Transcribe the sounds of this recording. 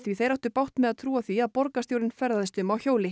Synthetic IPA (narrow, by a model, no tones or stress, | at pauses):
θviθejɾawht̪ʏɾpawht̪mɛðaðt̪ʰɾuːaθviaðpɔɾkast̪jowɾɪnfɛɾðaðɪst̪ʏmawçoːwlɪ